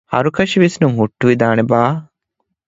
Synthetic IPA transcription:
ɐ̰ɾukɐʃiʋisnumɦuʈːuʋid̪aːnebaː

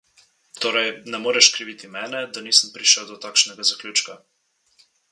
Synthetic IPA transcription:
t̪oːɾɛjnɛmoːɾɛʃkɾiʋit̪imɛːnɛd̪aniːsəmpɾiʃəwd̪ɔt̪aːkʃnɛɡazaklʲuːt͡ʃka

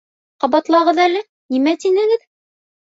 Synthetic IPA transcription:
qɑβɑt̪lˠɑʁɤðælɘ | nimæt̪inɘ̆ɡɘð

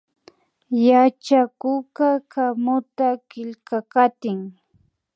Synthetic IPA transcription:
jat͡ʃakʊkakamʊt̪akɪʎkakat̪ɪŋ

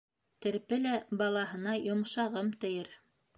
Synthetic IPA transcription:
t̪ɘ̆ɾpɘlæbɑlˠɑɦɤ̆nɑjŏmʃɑʁɤmt̪ɘ̆jɘɾ

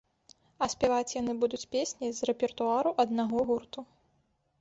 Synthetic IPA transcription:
ɐsʲpʲɛvat͡sʲjanɨbud̪ut͡sʲpʲesʲnʲizrɛpʲɛrt̪uaɾuʔɐd̪naɣɔɣurt̪u

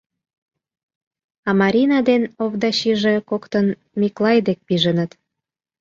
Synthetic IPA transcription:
ɑmɑɾʲinɑd̪enoβd̪ɑɕiʒekokt̪ən | miklɑjd̪ek̚piʒənət̪

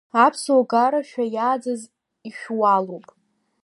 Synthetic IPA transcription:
apʰsoɡaɾaʃᶣajaːd͡zaz | iʃᶣwalowpʼ

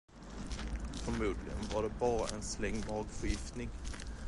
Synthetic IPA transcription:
fɔɾmuːd̪lɪ̰ɡə̰nvaɖɛbɑːɾa̰ʔɛnslɛŋːmɑːɡfœɾjɪft̪nɪŋ

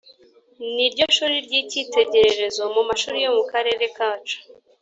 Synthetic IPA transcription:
niɾɟo̞ʃuːɾiɾɟiciːte̞ɟe̞ɾe̞ɾe̞zo̞mumaʃuːɾijo̞mukaɾe̞ːɾe̞kaːt͡ʃḁ

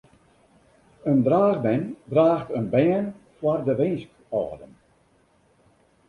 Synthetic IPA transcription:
əndraːɣbɛndraːxtənbɛən | fwardəʋɪnsk | ɔ̰ːdən

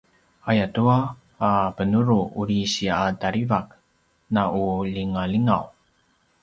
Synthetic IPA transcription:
ajatuaː | pənuɾuuɾiɕiaadaɾivak̚ | nauliŋaliŋaw

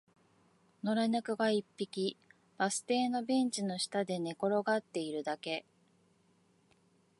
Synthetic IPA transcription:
no̞ɾaɲakɯ̟ɡaipːikʲi | b̥asɨ̥t̪e̞ːno̞bẽ̞ɲt͡ɕino̞ɕi̥t̪ad̪e̞ne̞ko̞ɾo̞ɡat̪ːe̞iɾɯ̟d̪ake̞

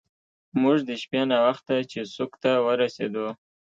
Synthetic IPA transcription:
mʊʐd̪əʃpenawaxt̪at͡ʃesokt̪awəɾased̪o

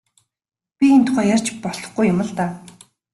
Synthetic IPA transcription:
pʲient̪ʰʊ̥χæːjar̥t͡ɕpɔɮɞ̆χɡujːʊmə̆ɮt̪aː

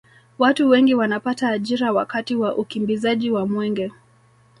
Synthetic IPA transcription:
watuwɛŋɡiwanapataːʄiɾawakatiwaʔukimbizaʄiwamwɛŋɡɛ

